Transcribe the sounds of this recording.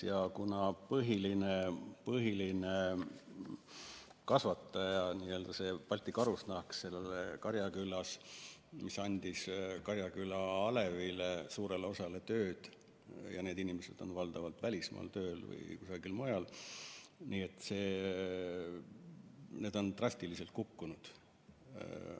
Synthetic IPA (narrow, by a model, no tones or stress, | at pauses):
jɑkunɑpɤɦilinepɤɦiline | kɑsvɑt̪ˑːɑjɑniːø̞ːld̪̥ɑse̞ːpɑlʲt̪ːˑikɑɾusnɑhksse̞lːelekɑɾjɑkylːɑsmisɑnʲd̪̥iskɑɾjɑkylːɑɑle̞vilesuːɾeleo̞sɑle̞t̪ø̞ːd̪̥ | jɑne̞ːd̪inimese̞d̪̥o̞nvɑld̪̥ɑvɑlt̪vælʲismɑ̰ːlt̪ø̞ːlvɤ̰jkusɑɡilmojɑl | niːet̪ːˑse̞ː | ne̞ːd̪o̞nt̪rɑst̪ilise̞lt̪̚kukːunud̪̥